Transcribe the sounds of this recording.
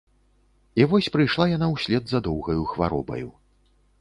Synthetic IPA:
ivɔsʲpɾɨjʂlˠajanawsʲlʲɛd̪zɐd̪ɔwɣɐjuxvaɾɔ̰bɐ̰ju

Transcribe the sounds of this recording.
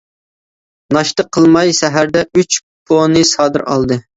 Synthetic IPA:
nɑʃt̪əqʰːəlˠmɑjsɛɦæɾd̪ɛyt͡ʃ | pʰonɨsɑːd̪ɨɾɑ̰lˠd̪ɨ

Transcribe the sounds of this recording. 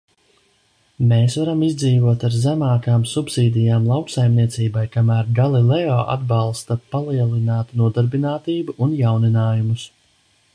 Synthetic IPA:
meːsvaɾamizd̪ziːvuɔt̪aɾzæmaːkaːmsupsiːd̪ijaːmlˠawksajmniɛt̪siːbajkamæːɾɡalˠilˠɛɔːʔa̰d̪balˠst̪apalˠiɛlˠinaːt̪nuɔd̪aɾbinaːt̪iːbuʔunjawninaːjumus

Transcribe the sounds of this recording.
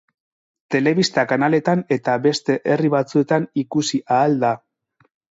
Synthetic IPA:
t̪e̞le̞βist̪akanale̞t̪ane̞t̪aβe̞st̪e̞ʔe̞riβat͡sue̞t̪anikusiʔaːld̪a

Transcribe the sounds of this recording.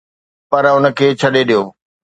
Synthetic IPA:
pɐɾʊnə̆kʰeːt͡ɕʰɐɗeɗijoː

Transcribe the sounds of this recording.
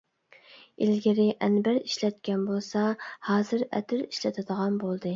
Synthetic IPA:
ilɡʲɪɾɪʔɛnbæɾiʃlɛt̪kʲɛnbolˠsɑhɑːzɨɾɛ̰t̪ʰɪɾiʃlɛt̪ʰɨd̪əʁɑnbolˠd̪ɨ

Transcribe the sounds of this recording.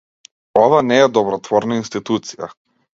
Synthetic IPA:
ɔvanɛːd̪ɔbɾɔt̪vɔɾnainst̪it̪ut̪sija̰

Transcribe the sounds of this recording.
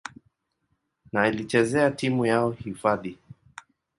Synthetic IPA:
nailit͡ʃɛzɛatimujaɔhifaði

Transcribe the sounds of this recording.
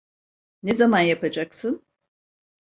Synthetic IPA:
nezamanjapʰad͡ʒaksɯn

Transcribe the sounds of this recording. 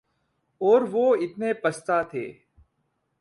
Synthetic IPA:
ɔːɾʋoːɪt̪neːpəst̪aːt̪ʰḛː

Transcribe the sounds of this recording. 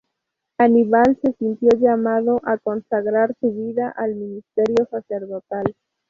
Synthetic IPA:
aniβalse̞sint̪jo̞ʎamaðo̞ʔako̞nsaɣɾaɾsuβiðaʔalminist̪eɾjo̞saseɾðot̪al

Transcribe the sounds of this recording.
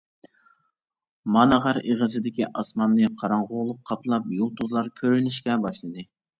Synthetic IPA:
mɑnəʁɑɾeʁəzɨd̪ɪkʲiʔɑsmɑnnɨqʰɑɾɑɴʁʊlˠʊqʰːɑpʰlˠɑp̚jolˠt̪ʰuzlˠɑɾkʲʰøɾynɪʃkʲɛbɑʃlˠɨd̪ɨ

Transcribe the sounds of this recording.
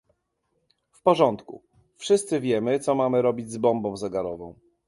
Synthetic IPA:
fpɔʐɔnt̪kṵ | fʂɘst̪sɘvʲjɛmɘt̪sɔmamɘɾɔbʲid͡ʑzbɔmbɔ̃w̃zɛɡaɾɔvɔ̃w̃

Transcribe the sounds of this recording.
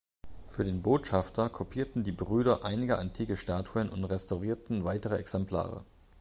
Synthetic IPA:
fyːɐdeːnboːtʃaftʰɐkʰopʰiːɐtn̩diːbʁyːɾɐʔaɪnɪɡəʔantʰiːkəʃtaːtʰuənʔʊ̰ntʁɛstaʊʁiːɐtn̩vaɪtəʁəɛksɛmpla̰ːʁə̰

